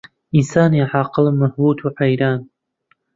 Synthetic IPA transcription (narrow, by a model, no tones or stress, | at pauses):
insaːniʕaqəlamaħbutʰuʕajɾan